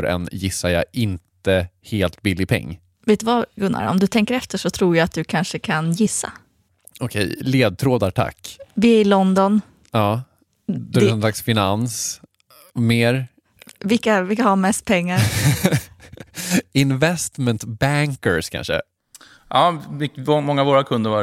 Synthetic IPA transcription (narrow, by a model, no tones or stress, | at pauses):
ɾɛ̰njɪsːaja̰ɪnt̪əheːlt̪bɪlːɪpʰɛ̰ŋː | veːt̪ːɵvaɡɵnːa̰ɾɔ̰md̪ɵt̪ʰɛŋkəɾɛft̪əʂɔt̪ʰɾuːɾjaat̪̚d̪ɵkʰanʂəkʰanjɪsːa̰ | ɔkʰɛ̰jleːd̪̚t̪ʰɾoːd̪aʈʰa̰kːvɪæɾɪlɔnd̪ɔn | ɑː | d̪æɔnslaksfɪnans | meːɾ | vɪlkavɪlkahamɛst̪̚pʰɛŋːaɾ | ɪnvɛst̪mɛnt̪bæŋkəɾskʰa̰nʂə̰ | ʔɑːɪmɔŋːavoːɾakʰɵnd̪əɾva